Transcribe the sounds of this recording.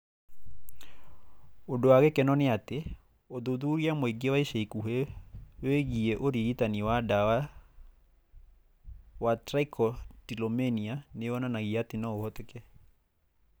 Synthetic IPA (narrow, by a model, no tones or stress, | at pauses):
ondowaɣɛkɛnɔneate | oðoðuɾiamoeŋɡewaiʃaikuɦeweɣiɛʔoɾiɣitaniwadawa | watɾaikʰɔtilomenianewɔnanaɣiatenaohɔtɛkɛ